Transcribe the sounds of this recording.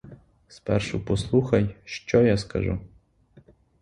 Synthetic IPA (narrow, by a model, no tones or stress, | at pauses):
spa̰rʂṵposlˠuxɐjʃt͡ʃɔjaskɐ̰ʐṵ